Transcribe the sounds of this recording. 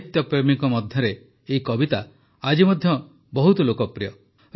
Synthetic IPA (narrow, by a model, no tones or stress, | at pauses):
t̪jɔpɾemikɔmɔd̪ʱjɔɾeː | ikɔbit̪a | ad͡ʒimɔd̪ʱjɔ | bɔɦut̪ɔlokɔpɾijɔ